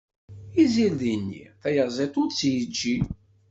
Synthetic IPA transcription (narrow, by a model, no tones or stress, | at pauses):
izilðinːḭθæjəzˤet̪ˤʊdt͡sːjəd͡ʒːi